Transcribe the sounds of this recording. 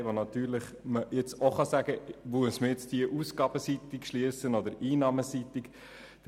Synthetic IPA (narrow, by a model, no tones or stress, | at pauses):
ʋonɑt̪yːɾləχ | məjɪt͡soχɑsæɡ̥əʋuəsməjɪt͡sd̥iəʔusɡ̥ɑːb̥əsit̪ːikʃliəsənɔd̪əɾiːnɑːməsit̪ik